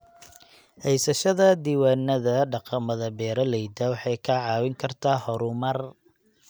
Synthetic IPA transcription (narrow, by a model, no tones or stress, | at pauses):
hɛjsɐʃɐðɐd̪iːwaːnːɐðɐɖɑqɑmɐðɐbɛːɾɐlɛjd̪ɐwɑħɑjkʰɐʕɑːwɪŋkʰɐrt̪ʰaːhɔɾʊmɐr